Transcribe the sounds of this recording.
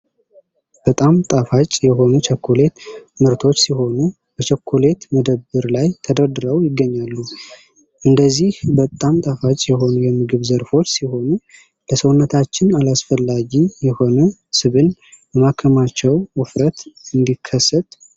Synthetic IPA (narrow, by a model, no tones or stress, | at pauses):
b̥ət̪ʼamt̪ʼafat͡ʃʼjɛɦo̞nut͡ʃʰəkʰːole̞t̪mɨɾt̪ʰo̞t͡ʃːsiɦo̞nu | b̥ət͡ʃʰəkʰːole̞t̪məd̪əbːɨɾlajt̪ʰəd̪əɾd̪ɨɾəwjɪɡːəɲːalːu | ʔɨnd̪əzːihbət̪ʼamt̪ʼafat͡ʃʼjɛɦo̞nujɛmɨɡɨβzəɾfo̞t͡ʃːsiho̞nu | ləsəwnːət̪ʰat͡ʃːɪnalasfəlːaɡijɛho̞nəsɨβɨnbəmakʰəmat͡ʃːɛwɨfɾət̪ɨnd̪ikʰːəsːət̪